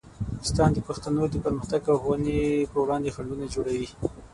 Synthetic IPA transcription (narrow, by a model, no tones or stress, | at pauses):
ɪ̥st̪ɑnd̪əpaxt̪anod̪əpəɾməxt̪aɡaxwanepəwɽɑnd̪exaɳɖunad͡ʒoɽawi